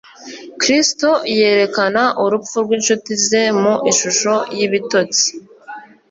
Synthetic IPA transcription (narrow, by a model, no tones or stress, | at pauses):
kɾisto̞je̞ːɾe̞kanaʔuɾufuɾɡwinʃutize̞muʔinʃuʃo̞jiβito̞t͡si̥